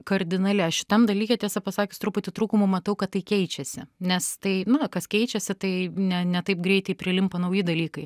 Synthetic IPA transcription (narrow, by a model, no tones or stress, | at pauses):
kɐɾʲd̪ʲɪnɐlʲɪɐʃʃʲɪt̪ɐmd̪ɐlʲiːkʲɛt̪ʲiɛsɐpɐsɑːkʲʊst̪ɾʊpʊt̪ʲɪt̪ɾuːkʊmʊmɐt̪ɐʊkɐt̪tːɐɪkʲɛɪt͡ʃʲɛsʲɪnʲɛst̪ɐɪnʊkɐskʲɛɪt͡ʃʲɛsʲɪt̪ɐɪnʲɛnʲɛt̪ɐɪpɡɾʲɛɪt̪ʲɛɪpʲɾʲɪlʲɪmpɐnɐʊjɪd̪ɐlʲiːkɐɪ